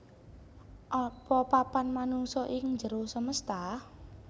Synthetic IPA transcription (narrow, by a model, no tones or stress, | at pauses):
ʔɔpɔpapanmanuŋsɔʔɪŋɲd͡ʒəɾosəməst̪a